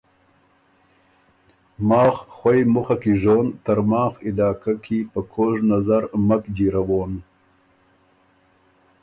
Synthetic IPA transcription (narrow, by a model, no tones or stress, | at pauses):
mɑːxxwajmʊxakiʐoːnt̪aɾmɑːxɪlɑːkakʰipəkʰoːʐnazaɾmakd͡ʒiɾawoːn